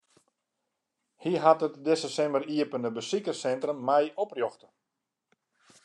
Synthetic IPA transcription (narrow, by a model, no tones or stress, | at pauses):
hiɦatətdɛsəsɛməriəpəndəbəsikəsɛntrəmːɛjɔprjɔxtə